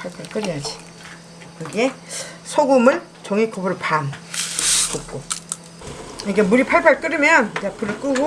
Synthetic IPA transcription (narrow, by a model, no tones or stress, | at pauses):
pʰaɭpʰaɭk͈ɯɾiad͡ʑi̥ | kɯɡesʰoɡumɯɭ | t͡ɕoŋikobɯɾpʰan | kuk̚k͈o | ikemuɾipʰaɭpʰaɭk͈ɯɾimjʌnd͡ʑapʰɯɾɯk͈ɯɡo